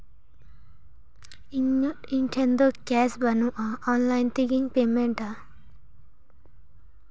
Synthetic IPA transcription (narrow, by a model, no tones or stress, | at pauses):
iɲoʈiɳʈʰend̪okaːsbɐnuʔaːaːnlajnt̪iɡiŋpeːmeɳʈa